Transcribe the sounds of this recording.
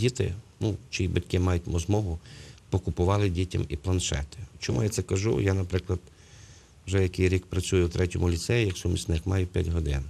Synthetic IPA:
dʲit̪ɪ̰nut͡ʃijibɐtʲkɪmɑjʊtʲmɔzmɔɦʊpɔkʊpʊʋɑlˠɪdʲitʲɐ̰miplˠɐnʃɛ̰t̪ɪ̥t͡ʃɔmʔṵjat̪sɛkɐʒṵjanɐpɾɪklˠɐd̪ | wʒɛjɐkejɾʲikpɾɐt͡sʲujʊwt̪ɾʔɛtʲɔmʊlʲit̪sɛjijɐksʊmʲisʲnɪxmɑjʊpʲjatʲɦɔd̪ɪ̰n

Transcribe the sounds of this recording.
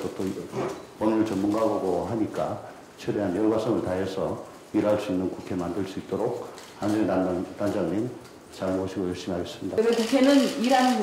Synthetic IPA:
ʌt͈o | pʌminɯɭt͡ɕʌmːunɡaɡaɡoɦaɲik͈a | t͡ɕʰɯɾeɦanjʌɡas͈ʰʌŋɯɭtaɦe̞sʰʌ | iɾaɭs͈uinːɯnkukʰe̞mandɯɭs͈uit͈oɾok̚ | haniɾenanand͡ʑaŋɲim | t͡ɕanoɕʰiɡojʌɭɕ͈imiaɕʌs͈ɯmɲidamekukʰe̞nɯniɾani

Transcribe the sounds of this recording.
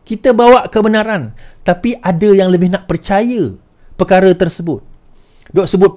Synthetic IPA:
kit̪əbawaʔkəbənãɾant̪apiʔadəjaŋləbɪhnaʔpərt͡ʃajə | pərkaɾət̪ərsəbʊt̪̚ | duaʔsəbʊt̪̚

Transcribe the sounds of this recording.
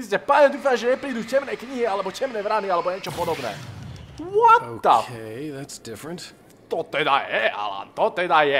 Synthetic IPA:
iscɛpaɲɛd̪uːfamʒɛɲɛpɾiːd̪ucɛmnɛkɲiɦialɛbɔcɛmnɛːʋɾanialɛbɔɲɛt͡ʃɔpɔd̪ɔbnɛ̰ː | wɔtoːa̰eɪðætsd̥ɪfɹə̃nt | t̪ɔt̪ɛd̪a̰jɛa̰la̰t̪ɔt̪ɛd̪ajɛ

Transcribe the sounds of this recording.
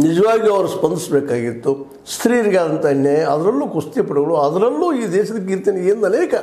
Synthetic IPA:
nid͡ʒɐʋaːɡiɐʋɾuspɐnd̪isbɛːkaːɡit̪ːu | st̪ʰɾiːɾiɡaːd̪ɐnt̪ɐɐnjɐjɐɐd̪ɐɾɐlːuːkust̪ijɐpɐɽɐɡɐɭuɐd̪ɐɾɐlːuːiːd̪ɛːʃɐd̪ɐk̬ːeiɾt̪eːneeːnd̪ɐlɐːkɐ

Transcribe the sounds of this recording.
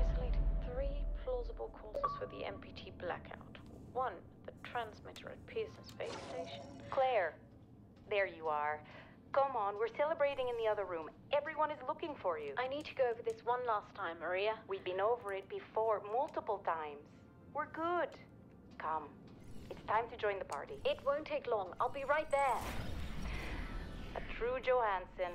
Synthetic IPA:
aɪsəleɪɾɨd̪̚θɹiːpʰl̥ɔzəbəlˠkʰɔɹsəz̥fəðḭʔɛ̰̃mpʰitʰiblæ̰kʰa̰ʊtwʌ̃n | ðətʰɹ̥æ̃nzmɪɾə̰˞ɨ̰t̚pʰɪznəsfḛɪsəleɪʃə̃nkʰl̥ɛɹ | ðə˞jəə˞ | kʰʌ̃mə̃nwɪɹsɛlˠəbɹeɪɾɪ̃ŋɨ̃nðiʌðə˞ɹʉ̃m | ʔɛvɹiwʌ̃nɨzlʊkɪ̃ŋfə˞jʉaɪnid̚tʰəɡoʊoʊvə˞ðɪswʌ̃nlastʰãɪ̃mə˞iəwivbɨ̃noʊvə˞ɨt̚b̥ɨfɔɹmʌlˠtəpl̩ˠtʰãɪ̃mz̥ | wɪɹɡʊd̥ | kʰʌ̃m | ɨtstʰãɪ̃mtʰɨd͡ʒɔ̃ɪ̃nðəpʰa̰ɹɾiɪt̚wõʊ̃ntʰeɪklɔ̃ŋa̰ɪlˠbiɹaɪt̪̚ðə˞ | ətʰɹ̥ud͡ʒoʊhæ̃nsɨ̃n

